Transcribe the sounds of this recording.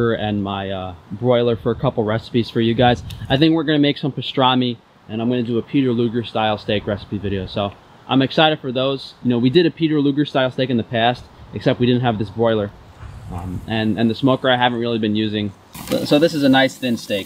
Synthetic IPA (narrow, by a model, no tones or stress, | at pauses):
ə˞ɨ̃nmaɪʌbɹɔɪlˠə˞fə˞ɨkʰʌpl̩ˠɹɛsə̥piz̥fə˞jɨɡaɪzaɪθɪ̃ŋkwəɹɡʌñɨmeɪksʌ̃mpɨstɹ̥ɑnmi | ɨ̃ñãɪ̃mɡʌñɨdɨːpʰiɾə˞lʉɡə˞staɪlˠsteɪkɹɛsə̥pivɪɾioʊsoʊ | ʔã̰ɪ̃mɨksaɪɾɨd̥fə˞ðoʊz̥jɨnoʊwidɨɾɨpʰiɾə˞lʉɡə˞staɪlˠsteɪkɨ̃n̩ðɨpʰæstɨksɛp̚t̚wiɾɪdⁿn̩t̚ɦɨvðɪsbɹɔɪlˠə˞ | ʔɨ̃nɨ̃nðɨsmoʊkə˞aɪɦævn̩t̚ɹɪlˠibɨ̃njʉzɪ̃ŋ | soʊðɪsɨzɨnaɪsθɪ̃nsteɪk